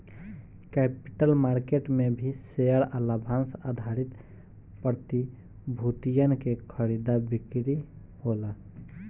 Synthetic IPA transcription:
kɛpi̥ʈəlmaɾkeʈmebʱiseəɾəlabʱansad̪ʱaɾit̪ | pəɾt̪i | bʱut̪ijənkekʰəɾid̪abikɾi | hola

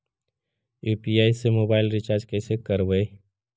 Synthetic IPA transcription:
juːpiaːisemoːbaːɪlɾɪt͡ʃaːɾd͡ʒkɛːsekəɾʋəe

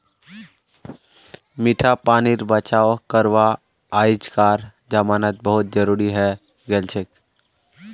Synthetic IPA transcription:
miʈʰapaːniɾbət͡ʃaːʋkəɾʋaː | jɪd͡ʒkaːɾd͡ʒaːmaːnət̪̚bəɦʊt̪̚d͡ʒəɾuːɾiɦɛ | ɡɛlt͡ʃʰek

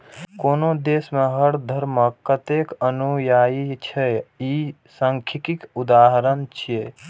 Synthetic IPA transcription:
koːnod̪eːsmeɦəɽd̪ʱəɾməkːət̪ekənujaːit͡ʃʰɛi | səŋkʰikikud̪aːɦɾənt͡ʃʰije

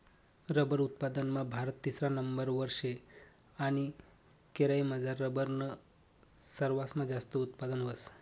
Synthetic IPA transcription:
ɾəbəɾut̪̚pad̪ənmãbʱaɾət̪ːisɾanəmbəɾʋəɾʂe | aɽ̃i | keɾaiməd͡zaɾːəbəɾnə | səɾʋasmad͡zast̪əut̪pad̪ənʋəs

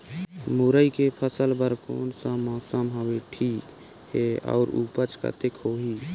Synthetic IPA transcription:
mʊɾəikepʰəsəlbəɾko̰ːnsamaːsəmɦaweʈʰiːk | heɔ̰ːɾṵːpət͡ʃka̰t̪ekʰoːɦiː

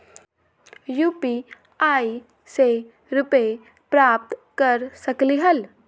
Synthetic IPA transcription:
juːpi | aːi | se | ɾʊpe | pɾaːp̚t̪kəɾsəkliɦɐl

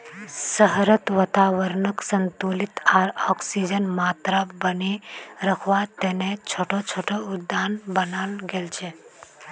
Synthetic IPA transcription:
səɦɾət̪ʋət̪aʋəɾnəksənt̪ulit̪aɾɔksid͡ʒənmaːt̪ɾabəniɾəkʰʋat̪enet͡ʃʰoːʈot͡ʃʰoːʈʰoʊd̪ːaːnbənaːnɡelt͡ʃʰe

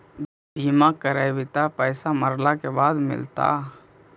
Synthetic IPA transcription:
bʱiːmakəɾajbɪt̪apəːsaməɾlakebaːd̪mɪ̰lt̪a̰

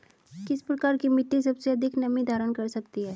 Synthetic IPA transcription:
kɪspɾɐkaːɾkimɪt̪ĩsɐbseɐd̪ʱɪknɐmĩd̪ʱaːɾənkɐɾsɐkt̪iɦɛː

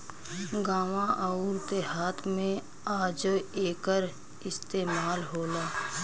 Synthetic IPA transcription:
ɡaːʋãʔaːʊɾt̪eɦaːt̪ʰmẽ | aːd͡ʒeːkəɾ | ɪst̪eːmaːlɦoːlaː

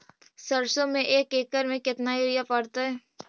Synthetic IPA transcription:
səɾsõmẽʔeːkeːkəɾmẽkɪt̪naiɾɪjapɐɽt̪aɦɛː

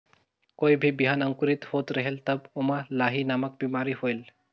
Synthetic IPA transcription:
kojbʱibiɦanaŋkuɾit̪hot̪ɾɛɦelt̪abomalaɦinamak̚bimaɾihojl

